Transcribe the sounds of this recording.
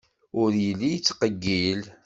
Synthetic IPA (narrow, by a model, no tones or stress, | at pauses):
ʊɾjəlːijət͡sːqəɡːil